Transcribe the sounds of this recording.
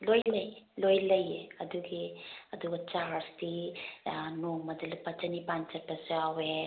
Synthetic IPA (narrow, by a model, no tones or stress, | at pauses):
lojlɐjlojlɐjeɐd̪uɡeɐd̪uʋɐt͡ʃːaɾst̪i | noːmɐd̪ɐlipɐt͡ʃɐnipaːnt͡ʃɐʈːɐsaːʋe